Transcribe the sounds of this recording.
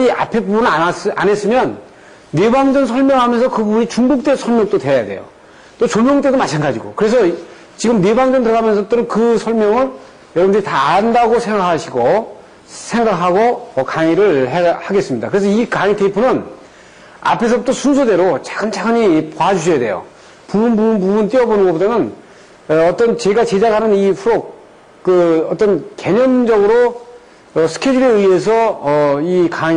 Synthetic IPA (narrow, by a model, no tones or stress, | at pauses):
ia̰pʰe̞bubunɯɾaane̞s͈ɯmjʌnː | e̞baŋd͡ʑʌnsʰʌɭmjʌŋɦamjʌnsʰʌkɯbubuɲit͡ɕuŋbuk̚t͈e̞sʰʌɭmjʌŋt͈otwe̞jade̞̰jo̰ | t͈ot͡ɕonmjʌŋt͈e̞domat͡ɕʰanɡad͡ʑiɡo̰kɯɾe̞s̬ʰʌ | t͡ɕiɡɯmnebaŋd͡ʑʌntɯɾʌɡamjʌnsʰʌt͈onɯnkɯsʰʌɭmjʌŋɯɭ | jʌɾʌbmndetaandaɡosʰe̞ŋɡakʰaɕʰiɡo | sʰe̞ŋɡakʰɦaɡoʌkaŋiɾɯɭɦehaɡe̞s͈ɯmɲida̰kɯɾe̞s̬ʰʌikaŋitepʰunɯn | a̰pʰe̞s̬ʰʌt͈osʰunsʰode̞ɾot͡ɕaɡɯnt͡ɕʰaɡɯɲipoad͡ʑuɕʰʌjade̞jo̰ | pubunbunpubunt͈iʌbonɯnɡʌbodanɯn | ʌt͈ʌnt͡ɕe̞ɡat͡ɕed͡ʑakʰanɯniɸuɾok̚ | k͈ɯʌt͈ʌnke̞ɲʌnd͡ʑʌɡɯɾo | ʌsʰɯ̥kʰed͡ʑiɾeɯie̞s̬ʰʌʌikaŋ